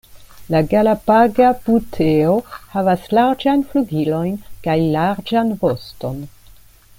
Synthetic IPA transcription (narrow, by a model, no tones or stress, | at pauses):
laɡalapaɡabutʰeohavaslaɾd͡ʒajnfluɡilo̞jnkajlaɾd͡ʒanvo̞sto̞n